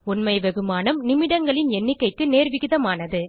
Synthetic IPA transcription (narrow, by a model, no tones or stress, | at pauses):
ʊnmɐɪʋɛɣɯmaːnɯmnɪmɪɽɐŋɡɐɭɪnɛnːɪkːɐɪkːɯneːɾʋɪɣɪðɐmaːnɐðɯ